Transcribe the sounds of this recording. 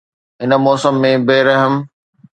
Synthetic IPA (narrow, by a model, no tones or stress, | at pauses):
ɦɪnə̆mɔːsəmːẽbeːɾɐɦəm